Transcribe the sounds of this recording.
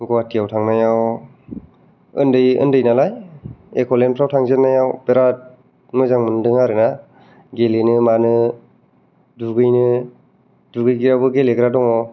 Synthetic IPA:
ɡɔwatijawtʰaŋnajaw | ɯ̰ndɯjɯ̰ndɯjnalajekʰɔlenpʰɾawtʰaŋzepnajawpeɾat̚ | mɯzaŋmɯndɯŋaɾɯna | ɡelenɯmanɯ | duɡɯjnɯ | duɡɯjɡiɾabɯɡeleɡɯɾadɔŋɔ

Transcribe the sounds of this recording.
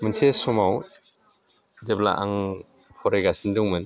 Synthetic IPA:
mɯnsʰesɔmaw | debla̰ʔaŋ | pʰɔɾajɡasinduŋmɯn

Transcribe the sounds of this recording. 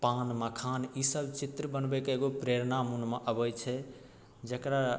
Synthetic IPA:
panməkʰanisəbt͡ʃit̪ɾəbənbɛkeeɡopɾeɾnamunmeʔəbəjt͡ʃʰɛ | d͡ʒəkɾa

